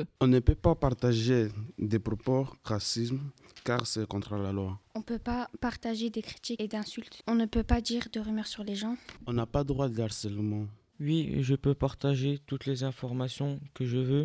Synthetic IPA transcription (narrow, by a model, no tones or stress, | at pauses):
ɔ̃nəpøpapaʁt̪aʒed̪epχɔpoʁasism | kaʁsɛkɔ̃t̪χəlalwaɔ̃pøpapaʁt̪aʒed̪ekχi̥t̪ied̪ɛ̃sylt̪ɔ̃nəpøpad̪iʁd̪əʁymiʁsyʁleʒɑ̃ɔ̃napad̪ʁwad̪aʁsɛlmɑ̃ | wiʒəpøpaʁt̪aʒet̪ut̪lezɛ̃fɔʁmasjɔ̃kəʒəvø